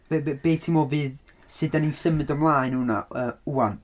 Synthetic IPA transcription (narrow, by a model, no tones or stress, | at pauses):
b̥bbeːtʰimɔvɨːð | sɨdaninsəmɨdəmlˠaːɨnhuna̰əːuan